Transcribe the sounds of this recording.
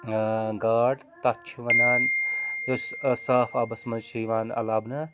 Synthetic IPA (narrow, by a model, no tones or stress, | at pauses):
ɡaːʈt̪ɐt͡ʃʰʋɐnaːnossaːfaːbɐsmɐnʃiːʋaːnɐ̰laːbnɐ